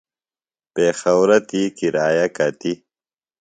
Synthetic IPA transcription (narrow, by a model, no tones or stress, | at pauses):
peːxɐwɾɐt̪ikiɾaːjakat̪i